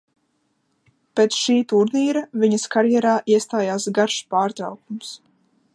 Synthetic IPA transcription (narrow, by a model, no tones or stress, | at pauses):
pet̪sʃiːt̪uɾniːɾɐviɲɐskaɾjɛɾaːʔiɛst̪aːjaːsɡaɾʃpaːɾt̪ɾa̰wkums